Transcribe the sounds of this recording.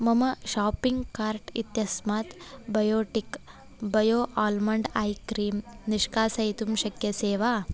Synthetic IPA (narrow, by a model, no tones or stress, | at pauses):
mɐmɐʃaːpiŋɡkaːɾʈḭt̪jɐsmaːt̪bɐjoːʈik | bɐjoːʔaːlmɐɳɖaːjkɾiːmniʂkaːsɐjit̪umʃɐkjɐseːʋaː